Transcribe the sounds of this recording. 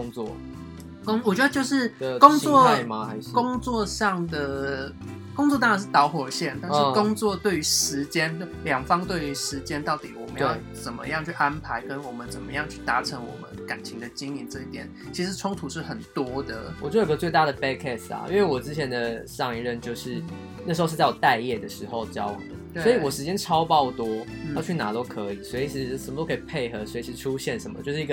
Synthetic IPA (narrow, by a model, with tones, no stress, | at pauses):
ŋwɔ̰˥˨ | kŋwɔ˨˩t͡ɕɥɛ˧d̪ə˧t͡ɕjo˥˧ʊʂɻ̩˥˩˨kʊ˥˧ŋwɔ˥˨a˧ɪma˨˧˦kʊ˥ŋt͡swɔ˥˧ʂɑ˥˩ŋd̪ə˩ | kʊ˥ŋt͡swɔ˥˧a˥˩a˨˧nʂ̬ɻ̩˥˩t̪ɑ˧˥ʊxwɔ˨˩ɕjɛ˥˩nt̪a˥˧nʂɻ̩˧˥˩kʊ˥ŋt͡swɔ˥˨t̪we˥˩ɪy˧˥ʂɻ̩˧˦t͡ɕjɛ˥nljɑ˨˩ŋfɑ˥ŋt̪we˥˩ɪy˧˥ʂɻ̩˧˦t͡ɕjɛ˥nt̪ɑ˥˩ʊt̪i˨˩wɔ˨˩me˧˦˥jo˨˩t͡sə˨˩nmə̰˧˦jɑ˥˧ŋt͡ɕʰy˥˩ʔa˦˥npʰa˧˥ɪkə˦nwɔ˨˩mə˦nt͡sə˨˩nmə˦jɑ˥˧ŋt͡ɕʰy˥˩t̪a˧˥ʈ͡ʂʰə˧˥ŋwɔ̰˨˩mə̰˦nka˨˩nt͡ɕʰi˧˥ŋd̪ə˧t͡ɕi˥ŋi˧˥nt͡sɤ˥˧i˥˩t̪jɛ˨˩nt͡ɕʰi˧˥ʂɻ̩˧˥ʈ͡ʂʰʊ˥ŋt̪ʰu˧˥ʂɻ̩˥˩xə˨˩nt̪wɔ˥d̪ə̰˨wɔ˨˩t͡ɕwo˨˩ɡə˧˩t͡swe˥˧ɪt̪a˥˩d̪ə˩pɛ˥kʰɛ˥˩sla̰˩ʔi˥nwe˥˩ɪwɔ˨˩ʈ͡ʂɻ̩˥t͡ɕʰjɛ˧˥nd̪ə˨ʂɑ˥˧ŋi˧ɻə˥˧nt͡ɕjo˥˧ʊʂɻ̩˥˩ | na˥˩ʂɻ̩˧˥o˥˧ʂ̩˥˧t͡swɔ˨˩t̪a˥˧ɪjɛ˥˩d̪ə˩ʂɻ̩˧˥xo˧ʊt͡ɕjɑ˥ʊxə˧˦ | sɔ˧˥i˨wɔ˨˩ʂɻ̩˧˥t͡ɕjɛ˥nʈ͡ʂʰɑ˥ʊpɑ˥˧ʊt̪wɔ˥˧t͡ɕʰy˥˩na˨˩t̪o˥ʊkʰɤ˧˦˥i˨˩swɔ˧˥i˨˩t͡ɕʰi˧˥ʂə˨mə˨t̪o˥kʰi˨˩pʰe˥˩ɪxɤ˧˥swɔ˧˥i˨t͡ɕʰi˧˥ʂ̩˧ʈ͡ʂʰu˦˥ɕjɛ˥˩nʂə˧˦nmə̰˧t͡ɕjʊʂɻ̩˥˩˧i˥ɡə˩